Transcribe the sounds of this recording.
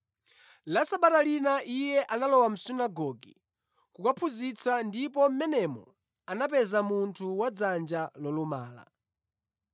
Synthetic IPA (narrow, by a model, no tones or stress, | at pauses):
lasaɓatalinaʔijɛʔanalɔwam̩sinaɡɔɡḭ | kukapʰuzit͡sʰandipɔm̩mɛnɛmɔ̰ | anap̬ɛzamuntʰuwad͡zand͡ʒalɔlumaːla̰